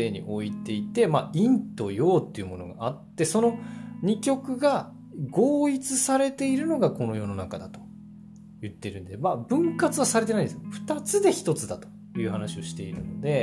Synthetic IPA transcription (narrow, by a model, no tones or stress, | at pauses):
eɲ̟ḭʔo̞it̪e̞it̪e̞maĩnt̪o̞jo̞ːt̪ːe̞iɯ̟mo̞̰no̞̰ɡa̰at̪ːe̞so̞no̞ɲ̟ikʲo̞kɯ̟ɡa | ɡo̞ːit͡sɨsaɾe̞t̪e̞iɾɯ̟no̞ɡako̞no̞jo̞no̞nakad̪at̪o̞ | jɯ̟t̪ːe̞iɾɯ̟̃nd̪emaːbɯ̟̃ŋkat͡sɨβasaɾe̞t̪enaĩnd̪esɸɯ̟̥t̪at͡sɨd̪e̞çi̥t̪o̞t͡sɨd̪at̪o̞̥ | jɯ̟ːɦanaɕio̞ɕi̥t̪e̞iɾɯ̟no̞d̪e̞